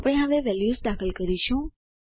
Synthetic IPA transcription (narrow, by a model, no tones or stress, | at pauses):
pəɽ̃eɦaʋeʋɛljusd̪akʰəlkəɾiʃũ